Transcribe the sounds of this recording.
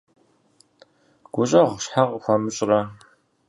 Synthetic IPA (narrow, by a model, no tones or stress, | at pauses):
ɡ̥ʷʊɕʼɐʁʷɕħaʁʷxʷɐmɨɕʼrɐ